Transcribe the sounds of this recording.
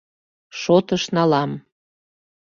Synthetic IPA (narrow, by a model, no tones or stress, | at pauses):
ʃot̪əʃnɑlɑm